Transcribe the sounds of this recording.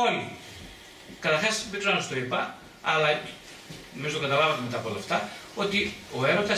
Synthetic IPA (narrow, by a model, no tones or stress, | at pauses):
oni | kɐt̪ɐɾxɐsbikzonɐst̪o̞ipɐ | ɐ̰lɐ | nomizot̪okɐt̪ɐlɐvɐt̪eme̞t̪ɐpolɐft̪ɐo̞t̪io̞e̞ɾo̞t̪ɐ